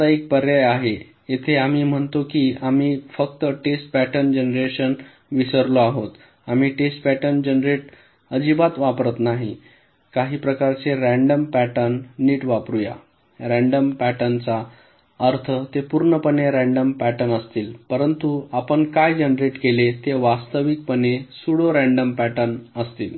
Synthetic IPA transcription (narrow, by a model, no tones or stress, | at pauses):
aek̚pəɾjajaɦe | jet̪ʰeam̤iːm̤əɳt̪okiːamiːfək̚t̪əʈesʈ̚pæʈənd͡ʑenɾeɕən | ʋisəɾloaɦot̪ | am̤iːʈesʈpæʈənd͡ʑənɾeʈ | əd͡ʑibat̪ʋapɾət̪naɦi | kaɦiːpɾəkaɾt͡seɾæɳɖəmpæʈənːiːʈʋapɾuja̰ | ɾæ̃ɳɖəmpæʈənt͡sa | əɾt̪ʰət̪epuɾɳəpəneɾæ̃ɳɖəmpæʈənəst̪iːlpəɾənt̪uapəɳkajd͡ʑenɾeʈkelet̪eʋast̪əʋik̚pənesuɽoɾæ̃ɳɖəmpæʈənəst̪iːl